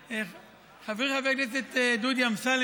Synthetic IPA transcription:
χaviʁχaveknes̬et̪ed̪ud̪jamsal

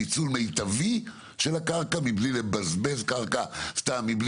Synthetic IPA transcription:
it͡sulme̞jt̪avi | ʃelakaʁkamiblilebazbezkaʁkastamːibl

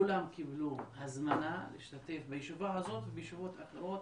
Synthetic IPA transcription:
ulamkibluhazmanalḭʃt̪at̪e̞fbajiʃuvaɦazo̞t̪vebejeʃuvo̞t̪aχeɾot̪

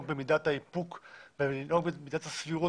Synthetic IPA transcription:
kbemidat̪haipukbeinoɡbemid̪at̪hasviʁo

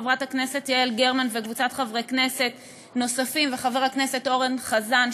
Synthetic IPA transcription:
vʁathakne̞se̞tielɡeʁmanvekvut͡satχavʁekne̞se̞t | no̞safimveχaveʁakne̞se̞to̞ʁenχazan

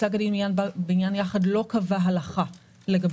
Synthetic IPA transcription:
aɡadinminjanbeinjanjaχadlo̞kavaɦalaχa | leɡab

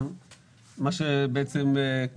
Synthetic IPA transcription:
n | maʃebeʔet͡seme

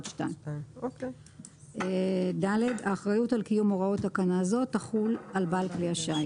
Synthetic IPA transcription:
tʃtaj | edaledaːχʁajutalkijumo̞ʁao̞takanaːzo̞tːaχulalbalkleaʃa

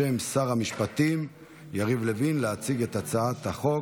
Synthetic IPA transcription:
emsaʁhamiʃpat̪im | jaʁivlevinleat͡siɡet̪at͡saat̪haχo̞

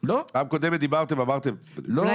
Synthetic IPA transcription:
loamkod̪emed̪ibaʁt̪emamaʁt̪em | lo

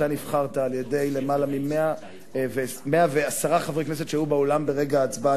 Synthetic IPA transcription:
aniv̥χaʁt̪aːlje̞de̞jle̞malamimea | veme̞aveasaʁaχavʁeknes̬ett͡ʃejjubaolambe̞ʁe̞ɡaːt͡sba

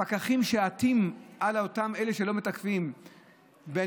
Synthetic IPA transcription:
akaχimʃe̞atimʔalotame̞leʃe̞lo̞met̪akfim | be

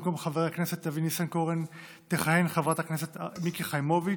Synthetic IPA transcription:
komχaveʁaknɛset̪avinisankoʁen | teχahenχavʁataknɛset̪mikiχajmovi

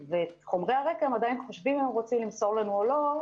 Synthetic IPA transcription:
veːt̪χo̞mʁejaʁe̞kaemad̪ajinχo̞ʃvimemʁo̞t͡simlimso̞ʁlanuolo̞

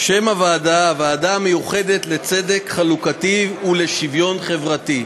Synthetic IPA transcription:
ʃemavaːdaːvaːdamejuχe̞d̪et̪le̞t͡sede̞kχalukatiule̞ʃivjo̞nχe̞vʁati

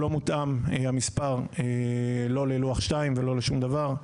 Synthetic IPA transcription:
lo̞mut̪ʔamhamispaʁelo̞leluaχʃtaimvelo̞leʃumd̪avaʁ

